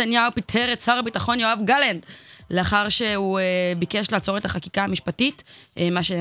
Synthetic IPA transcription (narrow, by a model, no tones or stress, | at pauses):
anjaupitʰeʁet͡saʁabitaχo̞njo̞avɡalendleaχaʁʃe̞ubike̞ʃlaːt͡so̞ʁe̞taχakikaamiʃpatitmaʃe